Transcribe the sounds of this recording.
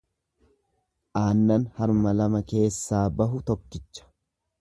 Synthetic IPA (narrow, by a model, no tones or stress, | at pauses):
ʔaːnːɐnhɐɾmɐlɐmɐke̞ːsːaːbɐɦʊt̪ɔkːɪt͡ʃːɐ̥